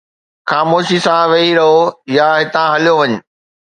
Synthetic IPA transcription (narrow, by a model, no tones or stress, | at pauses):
xaːmoːʃisãʋɐɦiɾɐɦojaɦɪt̪ãɦɐlijoʋɐɲʊ̆